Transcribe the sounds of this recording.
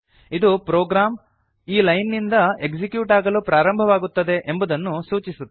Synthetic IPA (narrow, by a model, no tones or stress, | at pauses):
id̪upɾoːɡɾaːm | iːlɐjnːind̪ɐe̞kd͡ʒikjuːʈaːɡɐluːpɾaːɾɐmbʱɐʋaːɡut̪ːɐd̪e̞ʔembud̪ɐnːusuːt͡ʃisut̪ː